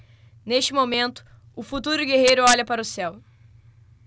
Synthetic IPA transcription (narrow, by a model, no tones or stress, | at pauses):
neʃt͡ʃɪmomẽnt̪ʊ̥ | ʊfut̪uɾʊɡeɦejɾʊɔʎɐpaɾɐʊsɛw